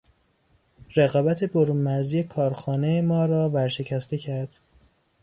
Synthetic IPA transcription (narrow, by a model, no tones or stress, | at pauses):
reɣɒːbæt̪ʰe̞boɾuːnmæɾziːje̞kʰɒːɾxɒːne̞jemɒːɾɒːvæɾʃe̞cʰæst̪e̞cʰæɾd̪̥